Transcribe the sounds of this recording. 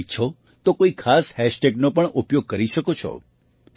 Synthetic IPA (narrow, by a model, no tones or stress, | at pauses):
t͡ʃʰɔ | t̪okoikʰashɛʃʈeɡnopəɳʔupjoɡ̚kəɾiʃəkot͡ʃʰɔ̰